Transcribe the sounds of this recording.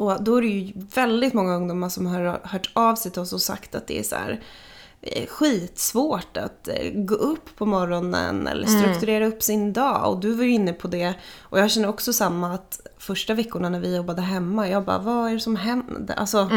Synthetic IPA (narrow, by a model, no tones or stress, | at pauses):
ɔd̪ɔæɾɛjɵvɛld̪ɪt̪mɔŋːaɵŋd̪uːmːaʂɔmɦaɾhœːʈɑvsɛjt̪ʰɪlɔsɔsa̰kt̪at̪̚d̪ɛ̰æ̰sɔ̰æ̰ːɾ | ɧiːt̪svoːʈa̰t̪ɡo̰ːɵpʰːɔmɔɾːɔnə̰nɛ̰lːə̰ʂt̪ɾɵkt̪ɵɾeːɾaɵpːsɪnd̪ɑːɔ̰d̪ɵvaɾjɵɪnːəpʰɔd̪ɛʔɔjɑːɡɕɛnːəɾɔksɔsamːaːt̪fœʂʈavɛkːʊɳanæɾvɪjɔbːad̪əɦɛmːajɑːɡbɑ̰ːvaæɖɛsɔmɦɛnd̪a̰lsɔ